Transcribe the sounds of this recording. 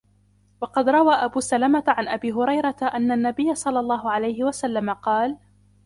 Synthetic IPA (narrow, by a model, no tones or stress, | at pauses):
wɑqɑd̪ɾˤɑwaːʔabuːsalamat̪ʕanʔabiːɦʊɾɑjɾˤɑt̪aʔanːanːabɪjːasˤɑlːɑlˤːɑːɦʊʕalajhɪwasalːamaqɑːl